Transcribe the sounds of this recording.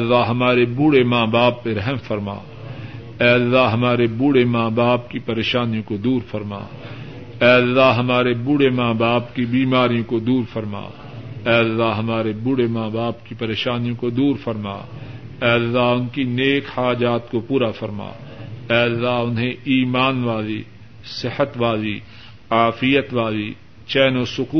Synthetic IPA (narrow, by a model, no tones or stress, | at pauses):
ɛːlːaɦɐmaːɾebʊɽemaːbaːpːeɾɛɦmfɐɾma̰ː | ɛːɐlːaɦɦɐmaːɾebʊɽemaːbaːp̚kipɐɾeːʃaːnijõkod̪uːɾfɐɾma̰ː | ɛːɐlːaɦɦɐmaːɾebʊɽemaːbaːpkibiːmaːɾijõkod̪uːɾfɐɾma̰ː | ɛːɐlːaɦɐmaːɾebʊɽemaːbaːbkipɐɾeːʃaːnijõkod̪uːɾfɐɾma̰ː | ɛːlːaʊnkineːkhaːd͡ʒaːt̪kopuːɾafɐɾma̰ːɛːɐlːaʊnɦẽiːmaːnʋaːli | sɪhət̪ʋaːli | aːfɪjət̪ʋaːli | t͡ʃɛːnosʊkuː